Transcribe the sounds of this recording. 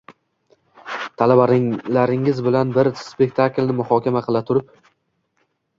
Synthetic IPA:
t̪ʰalabaɾɪlaɾɪŋɪzbɪlanbɪɾspe̞k̚ʲt̪ʰaklnɪmʊhɒkʲamaqʰɨlˠat̪ʰʊɾɪp

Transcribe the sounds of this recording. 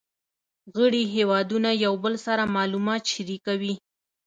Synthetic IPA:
ɣəɽiɦewɑd̪unajawbəlsaɾamɑlumɑt̪ʃiɾikawi

